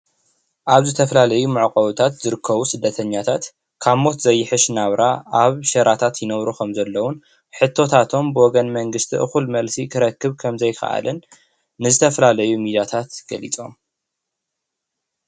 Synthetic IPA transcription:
ʔaβzɨt̪ʰɐfɐlalɐjumɨʕkʼɐwɨt̪ʰat̪zɨɾɨkʰːɐβusɨd̪ːɐt̪ʰɐɲːat̪ʰat̪ | kʰamo̞t̪zɐjːɪħɨʃnaβɾaʔaβʃɐɾʔat̪ʰat̪jɪnɐβɾukʰɐmzɐlːɐwʊn | ħɨt̪ʰːo̞t̪ʰat̪ʰo̞mbɨwɔɡɐnmɐŋɡɨst̪ʰiʔɨxulmɐlsikʰɨɾɐkːɨβkʰɐmzɐjkɐ̰ʔa̰lɨnː | ɨzɨt̪ʰɐfɐlalɐjumid̪at̪ʰat̪ɡ̥ɐlit͡sʼo̞̰m

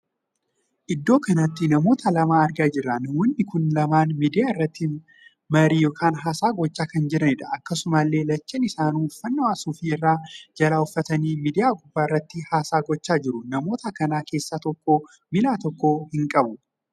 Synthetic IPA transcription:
ʔɪd̪ːo̞ːkɐnɐt̪ːɪnɐmo̞ːt̪ɐlɐmaːɐɾɡaːd͡ʒɪrːɐnɐmɔnːɪkʊnlɐmaːnmiːd̪ɪjaːɪrːɐt̪ːɪ | mɐɾiːjoːkʰaːnɦaːsaːɡɔt͡ʃːaːkɐnd͡ʒɪɾɐnɪᶑ̪ɐʔɐkːɐsʊmɐlːe̞ːlɐt͡ʃːɛnɪsaːnuːfːɐnːɐwaːsuːfiːɪrːaːd͡ʒɐlaːʊfːɐt̪ɐniːmiːd̪ɪjaːɡʊbːaːɪrːɐt̪ːɪhaːsaːɡɔt͡ʃːaːd͡ʒɪɾʊnɐmo̞ːt̪ɐkɐnaːke̞ːsːaːt̪ɔkːo̞ː | mɪlaːt̪ɔkːo̞ːhɪŋkʼɐbʊ

